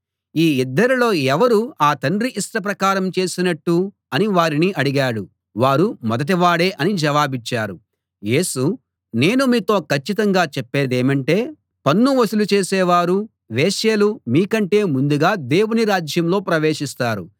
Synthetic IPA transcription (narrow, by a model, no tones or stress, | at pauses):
iːid̪ːɐɾilo̞ːɛʋɐɾuaːt̪ɐɳɖɾiʔisʈɐp̬ɾɐkaːɾɐmt͡ʃe̞ːsinɐʈːu | ɐniʋaːɾiniʔɐɽiɡaːɽu | ʋaːɾumɔd̪ɐʈ̬iʋaːɽeːʔɐnid͡ʒɐʋaːbit͡ʃːaːɾu | je̞ːsu | ne̞ːnumiːt̪o̞ːkɐt͡ʃːit̪ɐŋɡaːt͡ʃɛpːeːd̪eːmɐɳʈe̞ː | pɐnːuʋɐsulut͡ʃe̞ːsɛːʋaːɾu | ʋeːʃelumiːkɐɳʈe̞ːmund̪uɡaːd̪e̞ːwuniɾaːd͡ʒjɐmlo̞ːpɾɐʋe̞ːʂist̪aːɾṵ